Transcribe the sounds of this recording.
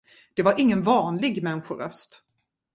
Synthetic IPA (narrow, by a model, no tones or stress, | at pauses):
d̪̥ɛvaɾɪŋːənvɑːnlɪɡmɛnɧʊɾœ̰st̪